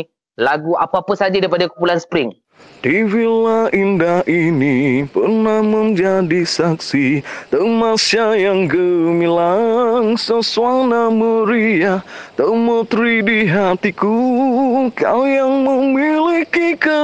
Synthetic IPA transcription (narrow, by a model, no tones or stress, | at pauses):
laɡua̰papəsad͡ʒadaipadakupulansə̥pɾɪŋ | diwilaindaʔinipərnahməɲd͡ʒadisaksit̪əmasajaŋɡəmĩlaŋsəsuaŋnaməɾiat̪əmət̪ɾidiɦat̪iku | kajaŋməmilikikə